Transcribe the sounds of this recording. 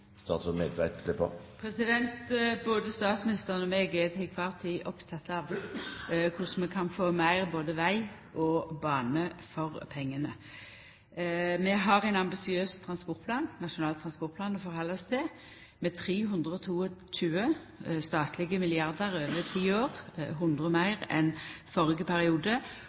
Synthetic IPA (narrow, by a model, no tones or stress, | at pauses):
st̪ɑ̰ːt̪fɔmeːd̪ʋæɪt̪ʰlɪpə̰pʰʁɛsɪd̪ɛnt̪boːd̪əst̪ɑːt̪smɪnɪst̪əʁənɔmeːɡɛt̪ʰɪkʰʋɑːʁt̪ʰiʔɔpt̪ʰɑt̪ːɑʋ | kʰʊsmɛkʰɑnfoːmæɪʁboːd̪əʋæɪ | ʔɔbɑːnəfɔʁpʰɛŋːənə | mɛɦɑʁæɪnɑmbɪsɪøːst̪ʰʁɑnspɔʁt̪̚pʰlɑːnnɑʂʊnɑːlt̪ʰɾʁɑnspɔʁt̪̚pʰlɑːnɔfɔʁhɑlːɔst̪ɛ | mɛt̪ʰʁiːɦʉnd̪ʁəɔt̪ʰuːɔt͡ʃʉːə | st̪ɑːt̪ʰlɪɡəmɪlɪɑʁd̪əʁøːʋət̪ʰiːoːʁɦʊnd̪ʁəmæɪʁɛ̰nfɔʁɪɡəpʰæɾɪuːd̪ə